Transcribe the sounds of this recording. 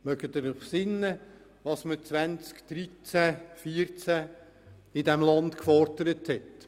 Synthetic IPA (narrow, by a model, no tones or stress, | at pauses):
mœɡətəɾχsɪnːə | ʋɑsmət͡sʋænt͡skd̥ɾit͡sæfiːəɾt͡sæ | ɪdɛmlɑndkfɔɾdəɾəthɛt